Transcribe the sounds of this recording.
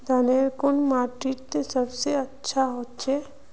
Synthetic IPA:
d̪aneɾkʊnmaːɾʈiʈt̪esəbseətːʃʰaɦot̪t͡ʃʰe

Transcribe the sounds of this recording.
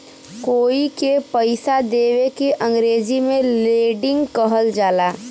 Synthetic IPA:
koːikepəɪsad̪eːwekeʔə̃ŋɡɾeːd͡ʒimẽleːɖɪ̃ŋɡkəɦəld͡ʒaːlaː

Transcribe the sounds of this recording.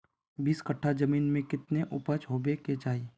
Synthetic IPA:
biːskəʈʰːad͡ʒəmiːnmẽkɪt̪neʔʊpət͡ʃɦoːbeked͡ʒaːi

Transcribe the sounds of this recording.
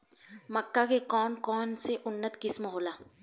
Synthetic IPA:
mɐkːakekɔːnkɔːnseʔʊnːət̪kɪsmɦoːlaː

